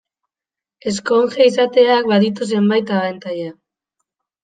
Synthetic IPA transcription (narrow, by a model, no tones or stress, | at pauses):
e̞sko̞ŋxeisat̪e̞ak̚baðit̪us̬e̞mbajt̪aβant̪aja